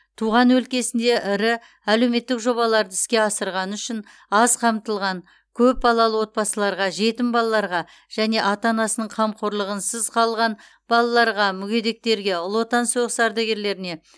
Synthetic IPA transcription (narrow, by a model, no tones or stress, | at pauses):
t̪ʰuʁɑnwɵlkʲe̞sɪnd̪e̞ʔɪɾɪ | æle̞wme̞t̪ːɪkʒo̞βɑlˠɑɾd̪əɪ̥skʲe̞ɑsəɾʁɑnəʏʃɪn | ɑzqʰɑmt̪əlˠʁɑŋ | kʲʰɵp̚bɑlˠɑlˠəwo̞t̪̚pɑsəlˠɑɾʁɑʒe̞t̪ɪmbɑlˠɑlˠɑɾʁɑ | ʒ̥æne̞ʔɑt̪ɑnɑsənəɴqʰɑmqʰoɾlˠəʁənsəzqʰɑlˠʁɑn | b̥ɑlˠɑlˠɑɾʁɑmʏɡʲe̞d̪e̞k̚t̪e̞ɾɡʲe̞ʊlˠo̞t̪ɑnsuʁəsɑɾd̪ɑɡʲe̞ɾle̞ɾɪne̞